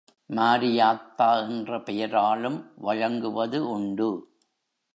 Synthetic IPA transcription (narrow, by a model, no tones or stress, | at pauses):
maːɾɪjaːt̪ːaːɛndrɐpɛjɐɾaːlɯmʋɐɻɐŋɡɯʋɐðɯʔʊɳɖɯ